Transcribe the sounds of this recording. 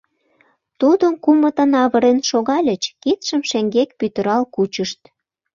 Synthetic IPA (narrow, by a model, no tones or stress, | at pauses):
t̪ud̪ənkumə̆t̪ə̆nɑβəɾenʃoɣɑlʲət͡ɕkit̪ʃəmʃeŋɡekpyt̪ə̆ɾɑlkut͡ɕəʃt̪